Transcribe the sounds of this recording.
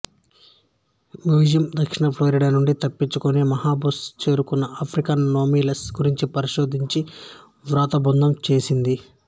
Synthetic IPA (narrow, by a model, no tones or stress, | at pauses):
mjuːd͡ʒijɐmd̪ɐkʂiɳɐpʰloːɾiɖanuɳɖit̪ɐpːiɲt͡ʃukunimɐɦaːbust͡ʃe̞ːɾukunːɐʔapʰɾikɐnːo̞ːmiːlɐsɡuɾiɲt͡ʃipɐɾiʃo̞ːd̪ʱiɲt͡ʃi | ʋɾaːt̪ɐbund̪ʱɐmt͡ʃe̞ːsind̪i